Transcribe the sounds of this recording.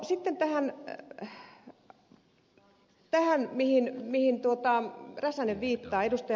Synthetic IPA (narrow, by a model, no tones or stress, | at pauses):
sit̪ːent̪æhæn | t̪æhænmihinmihint̪uot̪ɑræsæneʋʋiːt̪ːɑːedust̪ɑj